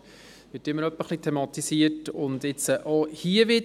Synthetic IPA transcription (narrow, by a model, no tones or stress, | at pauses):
ʋɪɾtɪmːəɾœpːəχlit̪ʰɛmɑt̪isiətʊnd̪ɪt͡səʔohiəʋɪd